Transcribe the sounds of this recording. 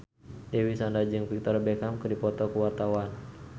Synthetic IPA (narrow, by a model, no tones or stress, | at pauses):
dɛwisandad͡ʒɨŋpik̚t̪ɔrbɛkamkɨrdipɔt̪ɔkəwart̪awan